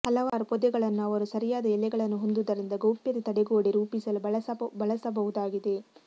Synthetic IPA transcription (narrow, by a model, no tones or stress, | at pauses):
hɐlɐʋaːɾupɔd̪ɛɡɐɭɐnːuɐʋɐɾusɐɾijaːd̪ɐɛlːɛɡɐɭɐnːuɦond̪ud̪ɐɾind̪ɐɡɐwpjɐt̪et̪ɐɽɛɡoːɽiɾuːpisɐlubɐɭɐsɐbɐlɐsɐbɐʋud̪aːɡid̪e